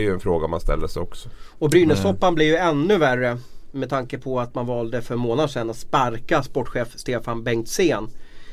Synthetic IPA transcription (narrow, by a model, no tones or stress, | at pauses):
ɾjɵɛnfɾoːɡaɔma̰nst̪ɛ̰lːəsɛjɔksɔ̥ɔbɾyːnəsɔpːanblɪvjɵɛnːɵværːəmɛd̪t̪ʰaŋkəpʰɔat̪manvɑːld̪əfœɾmoːnad̪ʂɛnːat̪spaɾkaspɔʈːɧeːfst̪eːfanbɛŋkt̪seːn